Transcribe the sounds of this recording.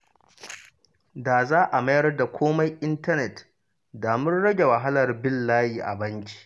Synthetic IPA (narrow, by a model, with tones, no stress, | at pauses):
daː˨zaː˦ʔa˨ma˦jɐ˦rda˨kʷʰoː˦ma˦jʔɪ˦ntɐ˦nɛ˨t | daː˨mɪ˦nɽɐ˦ɡʲe˨wɐ˨ɦa˦lɐ˨rbɪ˦lːaː˦jiː˨ʔa̰˨bɐ˦ŋkʲi̥˦ʔ